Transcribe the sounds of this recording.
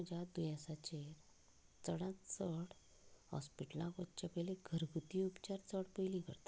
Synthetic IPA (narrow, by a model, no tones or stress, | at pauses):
d͡ʑad̪ujãsat͡ɕeɾ | t͡səɽãtt͡səɽ | hɔ̰spiʈəlãkʋətt͡ɕapəjleɡʱəɾɡʱut̪iupt͡ɕaɾt͡səɽpəjlikəɾt̪ḁ